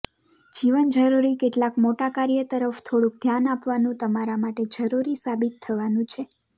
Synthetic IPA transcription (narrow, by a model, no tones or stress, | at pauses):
d͡ʒiʋənd͡ʒəɾuɾikeʈlakmoʈakaɾjət̪əɾəft̪ʰoɽũk̚d̪ʱjanapʋanũt̪əmaɾamaʈed͡ʒəɾuɾisabit̪ʰːəʋanũt͡ʃʰe